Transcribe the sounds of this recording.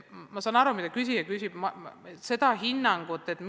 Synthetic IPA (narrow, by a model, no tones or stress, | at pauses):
mɑsɑːnɑɾumitd̪ɑkysʲijɑkysʲib̥mɑse̞d̪̥ɑɦinːɑŋɡ̥ut̪ːˑe̞t̪ːˑm